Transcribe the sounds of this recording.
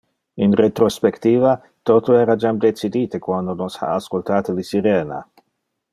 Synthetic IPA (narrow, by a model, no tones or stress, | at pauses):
inret̪ɾospekt̪iːva | t̪ot̪oeːɾad͡ʒamd̪et͡sid̪iːt̪ekwand̪onosha̰ːskolt̪aːt̪olisiɾeːna̰